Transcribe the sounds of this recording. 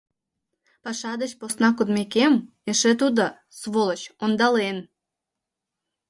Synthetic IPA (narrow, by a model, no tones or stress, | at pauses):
pɑʃɑd̪ət͡ɕposnɑkud̪mekem | eʃet̪ud̪o | sβolət͡ɕond̪ɑlen